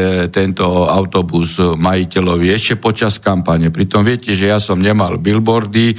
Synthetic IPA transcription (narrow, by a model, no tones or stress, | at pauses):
t̪ɛnt̪ɔaʊt̪ɔbuzmajicɛlɔʋiɛʃcɛpɔt͡ʃaskampaɲɛpɾit̪ɔmʋɪɛcɛʒɛjasɔmɲɛmalbilbɔɾd̪i